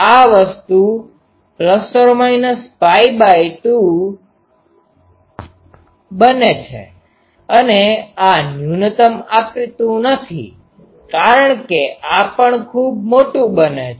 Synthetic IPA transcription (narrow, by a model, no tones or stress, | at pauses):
aʋəst̪u | pləsoɾmainəspajbajʈ̪ũ | bənet͡ʃʰḛ | əneanjunət̪əmapit̪ũnət̪ʰḭ | kaɾəɳkeʔapəɳkʰub̚moʈũbəne